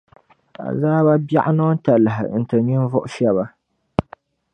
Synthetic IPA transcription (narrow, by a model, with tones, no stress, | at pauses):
a̰˨zaː˦ba˦bja̰˦ʔa˦nɔ˦n˦ta˨lɨ˨ɦɪ̰˨n̩˨tɨ˨ni˦n˦vʊ˦ʔʊ˦ʃɛ˦βa˦